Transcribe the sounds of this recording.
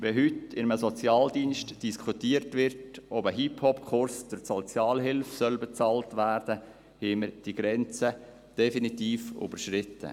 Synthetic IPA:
ʋɛɦʏtɪnəməsɔt͡sjɑːldiːnʃtd̥iskʰutiːəɾtʋɪrtɔbəɦiphɔpkʰʊɾsd̥əɾsɔt͡sjɑːlɦɪlfsœlbɛt͡sɑːltʋæːɾd̥ə | heːməɾd̥iɡɾɛnt͡sə | d̥ɛfinitiːfʊ̰bəɾʃɾɪtːə̰

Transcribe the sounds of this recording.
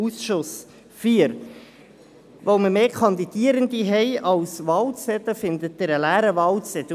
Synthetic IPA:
usʃʊs | fiːəɾ | ʋoməɾmeːkʰɑnd̪id̥̪iəɾənd̪iɦɛɪɑlsʋɑːlt͡sɛt̪əfɪnd̪ət̚dɪɾəlæːɾəʋɑːlt͡sɛt̪ə

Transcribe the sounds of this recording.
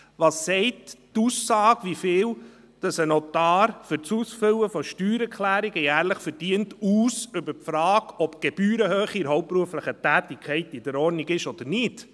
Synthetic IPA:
ʋɑːsːɛɪttuːsːɑːɡʋifɪːw | d̥ɑsənɔt̪ɑːɾfʏɾt͡suːsfʏwəfɔʃtyːɾɛɾkʰlæːɾiɡəjæːɾləχfəɾd̥iəntuːsʏbəɾpfɾɑːɡɔpɡ̥ɛb̥yːɾəhøːχiɾɦɔwp̚pɾuəfləχətæːtikʰχɛɪtidəɾɔːɾniɡɪʃɔd̥̪əɾnɪt

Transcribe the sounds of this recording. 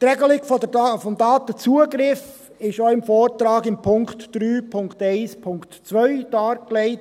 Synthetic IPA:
t̪ɾɛɡəlɪɡffɔmd̪ɑːt̪ət͡suəɡɾɪf | ɪʃoɪmfoːɾt̪ɾɑːɡɪmpʰʊŋktd̥ɾyːpʰʊŋktɛɪspʰʊŋktt͡sʋœʏd̥ɑːɾkleɪt

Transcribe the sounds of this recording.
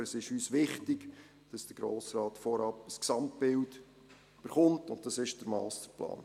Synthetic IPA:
əsɪʃyːsʋɪχtɪɡ | d̥ɑsd̥əɾɡ̥ɾo̰ːsɾɑːtfɔɾɑpəsksɑmt̚bɪld | b̥əɾχʊmtʊnt̚dɑsɪʃd̥əɾmɑ̰ːstəɾplɑ̰ːn

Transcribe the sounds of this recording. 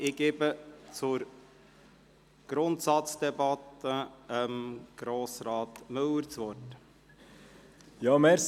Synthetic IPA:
ɪɡ̥eːbət͡sʊɾ | ɡ̥ɾʊntsɑt͡sd̪̥ɛbɑt̪əəmɡ̥ɾoːsɾɑːtmɵwəɾt͡sʋɔɾt | jɑmɛɾs

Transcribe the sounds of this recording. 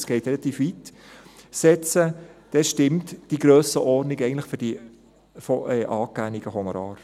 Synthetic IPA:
sɡ̥ɛɪt̪rɛlɑt̪iːfʋit | sɛt͡səd̥ɛʃtɪmtd̥iɡɾøːsəʔɔrnikɛɪɡn̩tləχføɾd̥i | fɔɛːʔɑːkːæniɡəɦɔnɔɾɑ̰ːɾ

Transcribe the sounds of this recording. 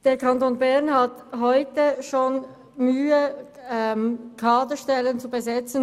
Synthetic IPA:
d̥eːɐkʰantoːnbɛɐnhatɦɔʏtəʃoːn | myːəɛmkʰaːdəʃtɛlənt͡subəzɛt͡sn̩

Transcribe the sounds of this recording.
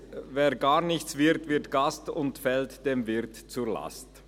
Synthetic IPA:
veːɐɡaːʁnɪçt͡sv̥ɪʁtvɪɐtɡ̥astʊntfɛltd̥eːmvɪʁtt͡suʁla̰st

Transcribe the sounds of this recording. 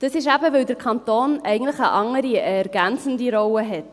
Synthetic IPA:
d̥əsɪʃæbəʋɵwdəɾkʰɑnt̪oːnɛɪɡn̩tləχəʔɑŋəɾiɛɾɡ̥ænt͡sən̩diɾɔwəɦɛt

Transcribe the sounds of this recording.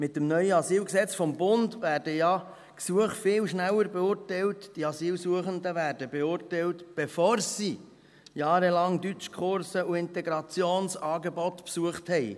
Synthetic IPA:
mɪtːəmnœʏəɑsiːlksɛt͡sfɔmbʊndvæːrd̥əjɑ | ksuəχtfɪlʃnælːəɾbɛʊːrtɛɪltd̥iɑsiːlsuəχəndəʋæːɾdəbeʊːrtɛltb̥efoːɾsi | jɑːɾəlɑŋdyt͡ʃkʰχʊɾsəuɪntɛɡɾɑt͡sjoːnsɑːɡebɔtpsuəχthɛɪ

